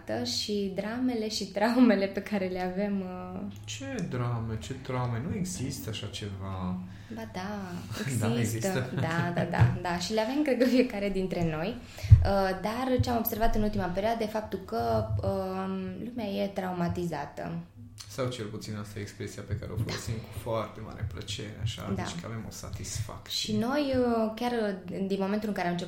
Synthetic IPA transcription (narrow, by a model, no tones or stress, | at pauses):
t̪əʃid̪ɾame̞le̞ʃit̪ɾawme̞le̞pe̞kaɾe̞leave̞mət͡ʃed̪ɾamet͡ʃe̞t̪ɾamenue̞ɡzist̪əaʃat͡ʃe̞va | bad̪aeɡzist̪əd̪ad̪a̰d̪a̰d̪aʃileave̞mkɾed̪̚kəfie̞kaɾe̞d̪int̪ɾe̞no̞j | əd̪art͡ʃeamo̞b̥se̞rvat̪ɨnult̪imape̞ɾioad̪əd̪efap̚t̪ulkəəlumeaje̞t̪ɾawmat̪izat̪ə̰ | sawt͡ʃe̞lput̪sinast̪ajekspɾesiapekaɾeo̞fəlosimku̥foart̪e̞ma̰ɾḛplə̰t͡ʃe̞̰ɾea̰ʃa̰d̪a̰t͡ʃkəa̰vemo̞̰sa̰t̪isfa̰k̪̚ʃino̞jəkʲjard̪inmo̞ment̪ulɨŋkaɾeamɨnt͡ʃe